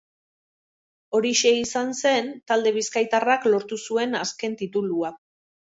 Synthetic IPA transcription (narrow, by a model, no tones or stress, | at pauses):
o̞ɾiʃe̞isanse̞nt̪ald̪e̞β̞iskajt̪araklo̞ɾt̪usue̞naske̞nt̪it̪ulua